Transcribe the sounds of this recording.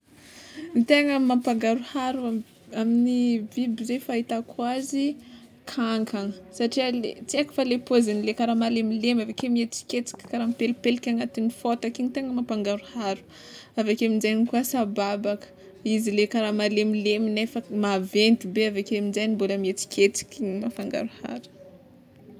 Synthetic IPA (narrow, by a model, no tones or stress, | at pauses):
nt̪eŋəmampaŋɡaɾuhaɾua | aminivibizefait̪akʰwazi | kʰaŋkʰaŋəsaʈ͡ʂialet͡siakə̥falepozinilekaɾamalemilemavakemiet͡si̥kʲet͡si̥kʲə̥kaɾampelipelkʲaŋat̪inifot̪akinit̪eŋəmapaŋɡaɾuhaɾu̥ | avekeaminzajɲikuasababakə̥ | izilekaɾamalemileminefəmavent̪ibeavekemind͡ʒajnimboləmiet͡si̥kʲʰet͡si̥kʲiŋimafaŋɡa̰ɾuha̰ɾə̥